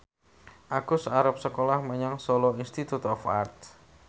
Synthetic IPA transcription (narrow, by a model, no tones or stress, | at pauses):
ʔaɡ̥ʊsaɾap̚səkolahməɲaŋsoloinst̪it̪ut̪ɔfa̰rt̪̚